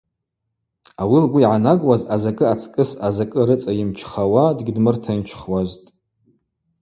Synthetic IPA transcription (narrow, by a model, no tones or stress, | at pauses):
awilɡʷuʕanaɡwazazakʼɨat͡sʼkʼɨsazakʼɨɾɨt͡sʼajɪmt͡ʃʰχawadɡʲidmɨrtʰant͡ʃʰχwaztʼ